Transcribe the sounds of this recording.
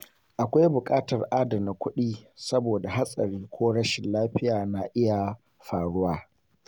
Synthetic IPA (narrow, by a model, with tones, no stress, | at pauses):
ʔa˨kʷa˦jbʊ˨kʼaː˦tɐ˨rʔaː˦dɐ˨mna˨kʷʊ˦ɗiː˦sɐ˦boː˨da˨ɦa˦sʼɐ˨ɾiː˦kʷoː˦ɽɐ˦ʃɪ˨nlaː˦ɸɪ˦jaː˨na˨ʔɪ˦ja˨ | ɸaː˨ɽʊ˦waː˦